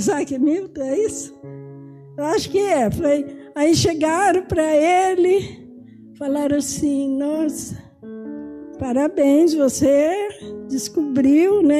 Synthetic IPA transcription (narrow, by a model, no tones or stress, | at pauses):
zakɪmiwt̪ɐɛisʊ̥ | ewaʃʊ̥kɪɛfojaĩʃeɡaɾɐ̃w̃pɾɐelɪ | falaɾɐ̃w̃asĩnɔs | paɾabẽj̃svosed͡ʒɪskubɾiwnɛ